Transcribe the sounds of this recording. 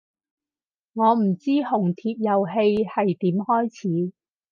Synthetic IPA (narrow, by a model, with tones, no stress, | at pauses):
ŋɔː˨˧m̩˨˩t͡siː˥hʊ˨˩ŋt̪ʰiː˧p̚jɐ˨wɦe˧jhɐ˨jt̪iː˨˥mhɔː˥jt͡sʰiː˨˥